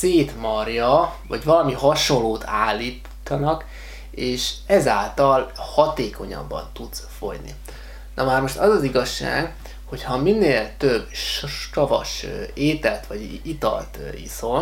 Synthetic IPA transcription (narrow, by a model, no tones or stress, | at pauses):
seːt̪mɒrjɒvɒɟvɒlɒmiɦɒʃo̞nloːt̪ʰaːlːiː | t̪ːɒnɒk | eːʃɛzaːlt̪ɒlhɒt̪eːko̞ɲɒ̰bːɒ̰nt̪ut̪sfo̞̰ɟnḭ | nʔɒmaːrmo̞ʃt̪ɒzɒziɡɒʃːa̰ːɡ | ho̞chɒminːeːlt̪øbʃkɒvɒ̰ʃeːt̪ɛlt̪ʋɒɟ | it̪ɒ̰lt̪ḭso̞n